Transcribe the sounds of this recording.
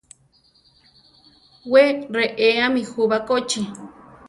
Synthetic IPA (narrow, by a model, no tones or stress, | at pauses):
weɾeʔeamĩhuβakot͡ʃi